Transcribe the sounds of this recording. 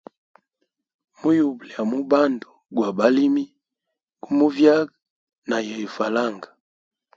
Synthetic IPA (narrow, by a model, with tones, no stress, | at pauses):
mu˦ju˨bli˨ja˨mu˦ba˦ndu˨ɡwa˨ba˦li˦mi˦ | ku˦mu˦vja˦ɡ | na˨jɛ˨i˨fa˨la˦˨ŋɡa˨